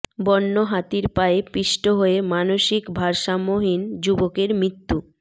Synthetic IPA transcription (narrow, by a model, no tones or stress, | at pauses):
bɔnːoɦat̪iɾpaepiʃʈoɦoemanoʃikbʱaɾʃamoɦind͡ʑubokeɾmɾit̪ːu